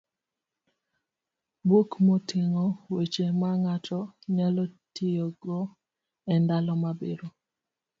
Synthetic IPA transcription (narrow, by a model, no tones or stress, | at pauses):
bwokmotʰɪŋɔwet͡ʃemaŋatʰɔɲalɔtʰijoɡɔ | ɛndalɔmabeɾo